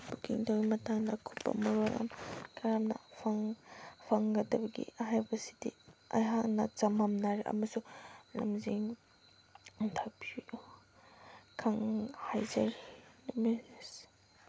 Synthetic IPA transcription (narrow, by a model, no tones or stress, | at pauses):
b̥ukiŋtʰawɡimɐtaŋdɐkʰu̥pːɐ̰mɐɾojɐ̰mkʰaɾamnɐ̰pʰaŋpʰaŋɡɐdɐbɐɡḭɦajbɐsi̥diɐ̰jɦak̚nɐt͡ʃɐmamnaɾiʔɐ̰mɐsulɐmziŋ | ntʰapʰiu | kʰaŋhajzaɾinumis